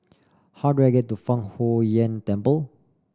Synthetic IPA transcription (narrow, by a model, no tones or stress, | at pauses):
hawduaɡɛt̚ːufãŋhojə̃ntɛ̃mpəl